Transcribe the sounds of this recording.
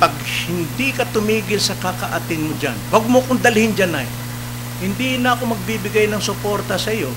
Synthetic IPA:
pɐɡhɪnd̪ikɐt̪ʊmiːɡɪlsɐkakɐʔɐt̪ɪnmod͡ʒa̰nwɐɡ̚mokʊŋd̪ɐlɪhɪnd͡ʒanaj | hɪnd̪inɐɐko̞mɐɡ̚bibɪɡajnɐŋsʊpo̞ɾt̪ɐsɐjo̞

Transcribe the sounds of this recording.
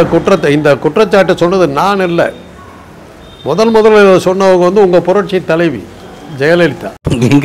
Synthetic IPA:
ɐkʊʈrɐt̪ːɪnd̪ɐkʊʈːrɐt͡ʃːaːʈːɯsɔnːɐðɯnaːnɪlːɐ̰ | mɔðɐlmʊðɐlɛðɯsɔnːɐʋɐŋɡɐʋɐnd̪ɯʊŋɡɐpʊɾɐʈ̚t͡ʃːit̪ːɐlɐɪʋḭ | d͡ʒɛjɐlɛɻɯt̪ːa̰ːɛŋɡ

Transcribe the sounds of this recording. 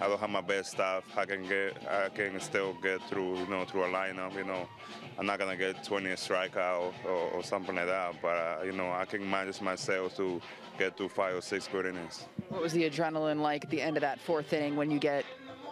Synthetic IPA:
aɪdõʊ̃nɦəvmaɪbɛststafaɪkɨ̃nɡɛta̰ɪkɨ̃nstɪlˠɡɛt̪̚θɹujɨnoʊθɹuəlãɪ̃nʌpjɨnoʊ | ãɪ̃mnət̚ɡ̥ʌnɨɡɛttʰːw̥ɛ̃ñiɨstɹ̥aɪkaʊtəəsʌ̃mθɪ̃ŋlaɪk̚ðæt̚b̥ʌɾjɨnoʊaɪkɨ̃nmãnd͡ʒɨsmaɪsɛlˠftʰu | ɡ̥ɛt̪ufaɪvə˞sɪksɡɪɾɪ̃nɪs | wʌt̚wʌzðiɨd͡ʒɹɛ̃nl̩ˠə̃nlaɪkɨt̪̚ðiɛ̃ndʌvðɨtfɔɹθɪ̃ɾɪ̃ŋwɨ̃njɨɡɛt̚

